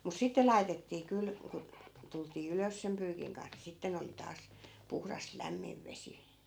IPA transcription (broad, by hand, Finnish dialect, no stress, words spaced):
mus sitːe lɑi̯tetːiː kyl ku tultiː yløs sem pyːkiŋ kɑns ni sitːen oli tɑːs puhrɑs læmːiʋ ʋesi